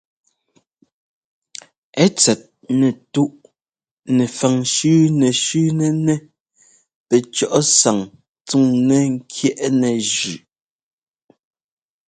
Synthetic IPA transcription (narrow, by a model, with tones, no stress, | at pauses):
ɛ˦t͡sɛ˨t̚ | nɛ˨tu˦ʔ | nɛ˨fa˨ŋʃʉː˦nɛ˨ʃʉː˦nɛ˦nɛ˦ | pɛ˨t͡ʃɔ˦˨ʔɔ˦sa˨ŋ | t͡su˦ŋnɛ˦ŋ̩˦kʰjɛ˦˨ʔnɛ˨ʒʉ˨